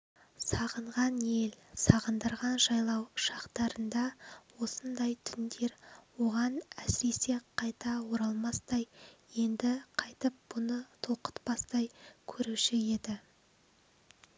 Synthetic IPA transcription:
sɑʁəɴʁɑnje̞lsɑʁənd̪əɾʁɑnʒɑjlˠɑwʃɑqt̪ɑɾənd̪ɑwo̞sənd̪ɑjt̪ʰʏnd̪e̞ɾwo̞ʁɑnæsɪɾe̞se̞qʰɑjt̪ɑwo̞ɾɑlˠmɑst̪ɑjje̞nd̪ɪqʰɑjt̪əp̚b̥ʊnət̪ʰoqə̥t̪bɑst̪ɑjkʲʰɵɾuʃɪe̞d̪ɪ

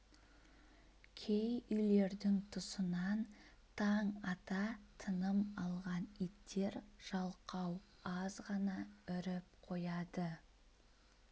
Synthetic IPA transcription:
kʲʰejʏjle̞ɾd̪ɪŋt̪ʰʊsənɑn | t̪ʰɑɴɑt̪ɑt̪ʰənəmɑlˠʁɑnit̪ːe̞ɾʒ̥ɑlˠqɑw | ɑzʁɑnɑʏɾɪp̚qʰo̞jɑd̪ə

